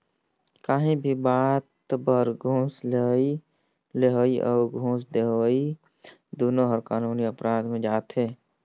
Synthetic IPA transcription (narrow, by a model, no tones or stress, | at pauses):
kaːɦĩbʱibaːt̪bəɾɡʱõːslei | leɦoːiʔɔːɾɡʱũːsd̪eɦoi | d̪uːnoɦəɾkaːnuːniəpɾãːd̪mẽd͡ʒaːt̪ɦeː